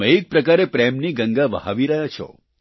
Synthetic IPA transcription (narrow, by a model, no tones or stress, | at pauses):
əek̚pɾəkaɾepɾɛmniɡəŋɡaʋəɦa̰ʋiɾəɦjat͡ʃʰɔ̰